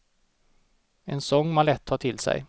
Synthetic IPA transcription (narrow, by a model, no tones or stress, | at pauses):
ɛnsɔŋːmalɛt̪ʰhɑːʈʰɪlsɛ̰j